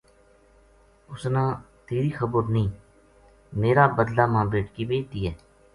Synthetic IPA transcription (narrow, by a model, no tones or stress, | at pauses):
ʊsnãː | t̪eːɾiːxəbəɾnəĩː | meːɾaːbəd̪laːmãːbɾeːʈkiːbeːt̪iːɦɛː